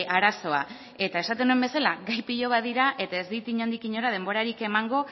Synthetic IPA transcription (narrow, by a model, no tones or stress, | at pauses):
ʔaɾaso̞a | e̞t̪ae̞sat̪e̞nue̞mbe̞salaɡajpiʎo̞βaðiɾaʔe̞t̪ae̞zðit̪iɲand̪ikiɲo̞ɾað̞e̞mbo̞ɾaɾike̞maŋɡo̞